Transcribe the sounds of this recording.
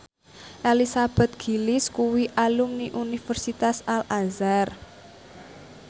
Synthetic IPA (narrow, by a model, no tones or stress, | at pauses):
ʔelisab̥ɛ̤t̪̚ɡ̥i̤liskuwiʔalumniʔunifərsit̪asalʔanzar